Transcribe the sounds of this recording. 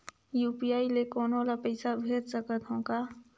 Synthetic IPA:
juːpiaːilekɔːnolapəɪsabʱeːd̪səkət̪ɦõːkaː

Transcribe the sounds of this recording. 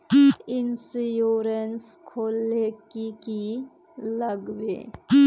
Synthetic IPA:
ɪnsjoːɾens | kʰoːlekiki | ləɡʋḛː

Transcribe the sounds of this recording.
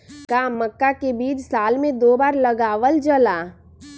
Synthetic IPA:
kaːməkːakebiːd͡ʒsaːlmẽd̪oːbaːɾləɡaːʋəld͡ʒəlaː

